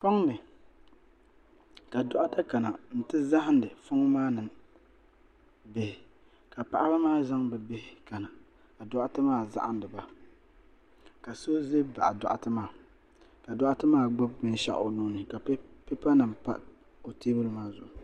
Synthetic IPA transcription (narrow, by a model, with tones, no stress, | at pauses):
pɔ˦ŋnɨ˨ | ka˨dɔ˨ʔa˦ta˦ka˨na˨n̩˨tɨ˦za˦ɦɪ˦n˦dɨ˨fʊ˦ŋ˦maː˦nɨ˨ | be˦hɪ˨ | ka˨pa̰˦˨ʔa˦ba˦maː˦za˦ŋbɛ˨be˦hɪ˨ka˨na˨ | a˨dɔ˦ʔa˦tɨ˦maː˦˨za̰˦ʔa˦n˦dɨ˨ba˦ | ka˨so˦ze˦ba̰˨ʔa˨dɔ̰˨ʔa̰˨tɨ˦maː˦˨ | ka˨dɔ˦ʔa˦tɨ˦maː˦˨ɡ͡bɔ˦b̚bɨ˦n˦ʃa̰˦˨ʔo˨nuː˦nɨ˨ka˨˦pe˦pa˦nɨ˨mpa̰˦ʔ | o˨teː˦bɨ˦lɨ˦maː˦zʊ̰˨ʔʊ˨